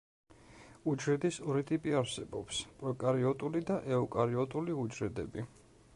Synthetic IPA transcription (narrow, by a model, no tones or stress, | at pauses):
ud͡ʒɾɛd̪isɔɾit̪ʼipʼiaɾsɛbɔpspʼɾɔkʼaɾiɔt̪ʼulid̪aʔɛukʼaɾiɔt̪ʼuliud͡ʒɾɛd̪ɛ̰bi